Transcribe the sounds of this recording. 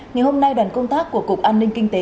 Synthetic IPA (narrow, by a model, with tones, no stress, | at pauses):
ŋa˨˩jho˧mna˧jɗa˨˩ŋ̟kə˧wŋ͡mt̪aː˦˥kːu˧˩əku˨˩k̚ʔaː˧nï˧ŋ̟kï˧ŋ̟t̪e˨˦